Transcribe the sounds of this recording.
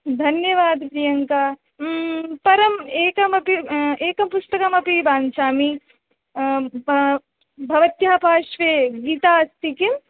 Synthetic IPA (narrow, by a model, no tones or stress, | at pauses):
d̪ʱɐnjɐʋaːd̪pɾijɐŋkaː | pɐɾɐmeːkɐmɐpieːkɐmpusʈ̪ɐkɐmɐpibaːnt͡ʃaːmi | bʱɐʋɐt̪jaːpaːʃʋeːɡiːt̪aːɐst̪ikim